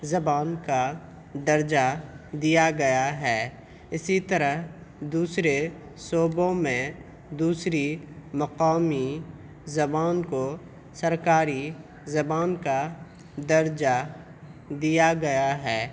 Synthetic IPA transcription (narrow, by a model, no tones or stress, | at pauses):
zɐbaːnka | d̪ɐɾd͡ʒad̪ijaɡɐjaɦɛː | ɪsit̪ɐɾəɦd̪uːsɾe | soːbõmẽ | d̪uːsɾimɐqaːmi | zɐbaːnko | sɐɾkaːɾi | zɐbaːnka | d̪ɐɾd͡ʒa | d̪ijaɡɐjaɦɛː